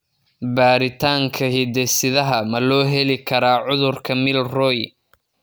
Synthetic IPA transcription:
baːɾɪt̪ʰaːŋkʰɐɦid̪ɛsɪðɐɦɐmɐlɔːɦɛlɪkʰɐɾaːʕʊðʊrkʰɐmɪlrɔj

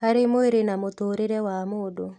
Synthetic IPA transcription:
aɾemoeɾenamotoːɾeɾɛwamoːdo

